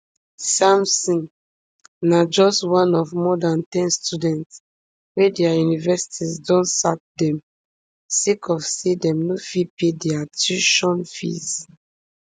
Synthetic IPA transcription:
sãmsĩŋ | nad͡ʒɔstwãnɔvmɔdãntɛ̃nstudɛ̃nt | wɛdɛajunivɛsi̥tʰizdɔ̃nsak̚dɛ̃m | sekʰɔfsedɛ̃mnofipedɛatuʃɔ̃nfḭz

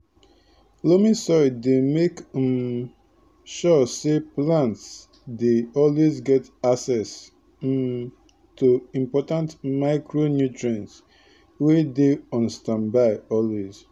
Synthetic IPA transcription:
lomĩsɔjdemekm | ʃɔseplãnts | deɔlwezɡɛtaksɛs | tuĩmpɔtãntmaɪkɹonjutɹãns | wedeɔ̃nstãmbaɪɔlwez̥

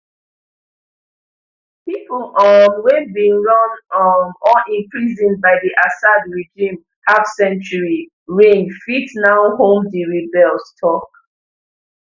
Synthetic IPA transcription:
piplʔɔmwɛbĩŋɹɔ̃nmɔlĩnkɹizĩnbaɪdiʔasadɹid͡ʒĩm | hafsɛ̃nt͡ʃuɹi | ɹẽnfitnaʊhõmdiɹibɛlstʰɔk

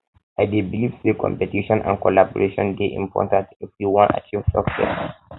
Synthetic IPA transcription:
ajdebilivsekɔ̰̃mpɛtiʃɔ̃nʔã̰nkɔlabɔɹʔeʃɔ̃ndeʔḭ̃mpʰɔ̰tãntifjuwɔ̃nta̰t͡ʃivsɔksɛ̰s

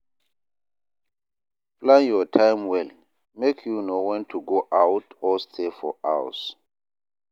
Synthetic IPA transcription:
plãnjɔtʰãjmwɛl | mekʰjunowɛ̃ntʰuɡoʔawtɔstʰefɔ̰ʔaws

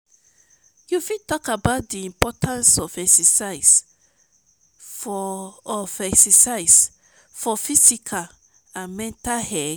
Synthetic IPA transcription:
jufitɔkabaʊt̚diĩmpɔtʰãnsɔfɛksɛsaɪs | fː | fɛksɛsaɪs | fɔfisikʰal | ãnmɛ̃ntahɛ

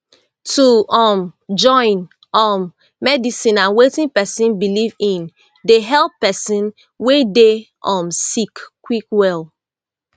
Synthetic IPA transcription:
tʰuɔmd͡ʒɔ̃ɪ̃n | ʔɔmː | ɛdisĩnãnwetĩnpɛsĩnbilivĩn | deɦɛlˠpːɛsĩn | wede | ɔ̃msikkːwikwɛl

